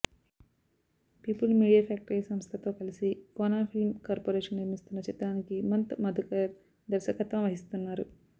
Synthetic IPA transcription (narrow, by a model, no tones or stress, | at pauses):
piːpəlmiːɽijafæk̚ʈəɾiːsɐmst̪ʰet̪okɐlsiːkonafilmkoɾpoːɾeːʂɐnniɾmist̪unːɐt͡ʃit̪ɾaŋkimɐnt̪mɐd̪ʱukɐɾ | d̪ɐɾsɐkɐt̪ʋãʋɐɦist̪unːaːɾu